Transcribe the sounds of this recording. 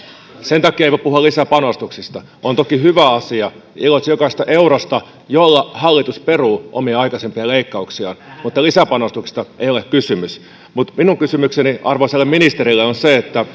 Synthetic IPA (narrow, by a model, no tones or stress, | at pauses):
sent̪ɑkːˑiɑeiʋopuhuɑlisæpɑnost̪uksist̪ɑ | ʔont̪okihyʋæɑsiɑ | ilotsjokɑsest̪ɑʔeuɾost̪ɑ | jolːɑhɑlːit̪usperuːʔo̰miɑɑikɑsempiɑleikːɑuksiɑ̰ːnmut̪ːɑlisæpɑnost̪uksi̥st̪ɑʔejolekkysymys | mut̪minuŋkysymykseniʔɑrʋoselːeminist̪eɾilːeonseet̪ːæ